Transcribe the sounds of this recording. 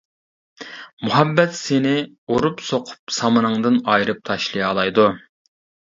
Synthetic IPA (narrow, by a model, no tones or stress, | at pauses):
muɦɛbːɛt̪senɪ | oɾupsoqʰʊ̥p̚sɑmɨnɨŋd̪ɨnɑjɾɨp̚t̪ʰɑʃlˠijɑlˠɑjd̪u